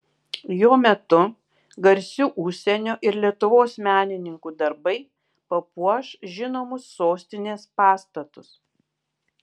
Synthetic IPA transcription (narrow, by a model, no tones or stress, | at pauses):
joːmʲɛt̪ʊ | ɡɐɾʲsʲuːʔʊʃʲsʲɛnʲoːʔɪɾlʲiɛt̪ʊʋoːsmʲæːnʲɪnʲɪŋkuːd̪ɐɾbɐɪ | pɐpuɔʃʒʲɪnoːmʊsːoːsʲt̪ʲɪnʲeːspɑːst̪ɐt̪ʊs